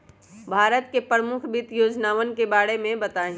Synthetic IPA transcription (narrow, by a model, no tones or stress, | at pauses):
bʱaːɾət̪kepɾəmʊkʰbɪt̪joːd͡ʒnaːʋənkebaːɽemẽbɐt̪aːɦĩ